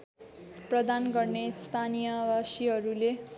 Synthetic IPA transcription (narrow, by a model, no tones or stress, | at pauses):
prʌd̪anɡʌrnest̪ʰanijʌwasiɦʌɾule